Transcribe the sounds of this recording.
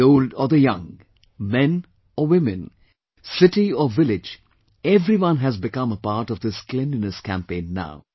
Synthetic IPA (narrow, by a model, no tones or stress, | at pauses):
oʊlɖɔd̪əjʌ̃ŋ | mɛ̃n | ɔwɪmɨ̃n | sɪʈiɔʋɪlɪd͡ʒ | ɛvɾiwʌ̃nɦæzbɪkʌ̃məpaːɾʈɔvd̪ɪsklɛ̃ndɨnəskæ̃mpẽɪ̃nːa̰ʊ